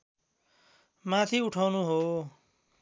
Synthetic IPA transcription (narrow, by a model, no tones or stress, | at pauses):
mat̪ʰiuʈʰawnuɦo